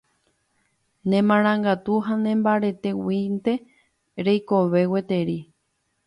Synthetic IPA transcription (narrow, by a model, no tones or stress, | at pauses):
nẽmãɾ̃ãŋɡat̪uɦanẽ̞mbaɾe̞t̪e̞wint̪e̞ | ɾejkoβe̞wet̪e̞ɾi